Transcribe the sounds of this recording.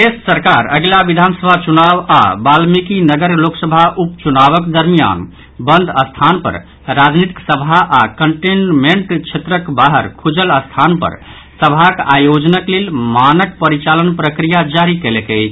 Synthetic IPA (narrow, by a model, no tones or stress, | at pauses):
essəɾkaɾəɡlabid̪ʱansəbʱat͡ʃunaba̰balmikinəɡəɾloksəbʱaʔupt͡ʃunaβəkd̪əɾmija̰n | bənd̪ʱəst̪ʰanpə̰ɾ | ɾad͡ʒnit̪i̥ksəbʱaʔakəɳʈinmeɳʈt͡ʃʰet̪ɾəkbaɦəɾkʰud͡ʒələst̪ʰanpə̰ɾ | səbʱakajod͡ʒnəklelmanək̚pəɾit͡ʃalənpɾəkɾijad͡ʒaɾikelekət͡ʃʰ